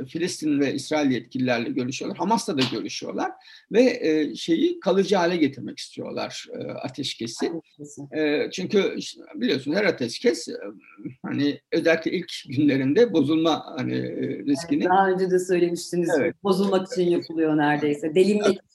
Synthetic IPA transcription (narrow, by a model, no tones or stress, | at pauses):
filʲist̪ʰinvɛʔisɾaːilʲijɛt̪̚cʰilʲilʲæɾlʲɛɟø̞ɾyʃyjo̞lˠaɾhamast̪ʰad̪aɟø̞ɾyʃyjo̞̰lˠaɾ̥ | vɛʃe̞jikʰalˠɯd͡ʒɯɦaːlʲɛɟe̞t̪ʰiɾmɛci̥st̪ʰijo̞̰lˠa̰ɾ̥ɯ̰a̰t̪ʰɛʃcʰe̞sɪ | t͡ʃʰyɲcybilʲijo̞sunzhɛɾat̪ʰɛʃcʰɛs | ha̰nɪø̞zælʲːiclʲɛ̰ʔilʲcɟynlʲe̞ɾind̪ɛbo̞zulˠmahanḭɾisciniaɦaø̞nd͡ʒɛd̪ɛsø̞jlʲe̞miʃt̪inizevɛbo̞zulˠmaki̥t͡ʃʰinjopʰɯlˠujo̞næɾd̪e̞jsɛd̪elʲimjɛ